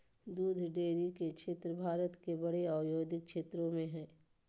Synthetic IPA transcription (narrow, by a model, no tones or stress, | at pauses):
d̪uːd̪ʱɖeːɾikekʃʰeːt̪ɾəbʱaːɾət̪kebəɽeaːʋjoːd̪ʱɪk̚ʃeːt̪ɾõmẽɦɛ̃ː